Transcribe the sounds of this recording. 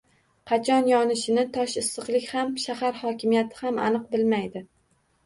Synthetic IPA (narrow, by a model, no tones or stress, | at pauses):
qʰɑt͡ʃʰɒnjɒnɪʃɪnɪt̪ʰɒʃɪsːɨqlˠɪkʲhamʃahaɾhɒkʲʰɪmijat̪ʰɪ̥hama̰nɨq̚bɪlmajd̪ɪ